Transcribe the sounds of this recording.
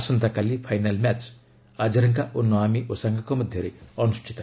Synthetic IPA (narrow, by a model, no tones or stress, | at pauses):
sɔnt̪akalipʰajnalmʲat͡ʃ | ad͡ʒɐɾɐŋkaʔonːɔamiʔosaŋɡakomʌd̪ʱjʌɾeʌnusʈʰit̪